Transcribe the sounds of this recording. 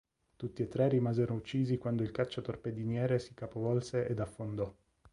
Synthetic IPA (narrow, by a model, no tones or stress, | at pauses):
t̪ut̪ːiet̪ːɾerːimaːzeɾout͡ʃːiːzikwand̪oilkat͡ʃːot̪orped̪injɛːɾesi̥kapovɔlseʔed̪afːond̪ɔ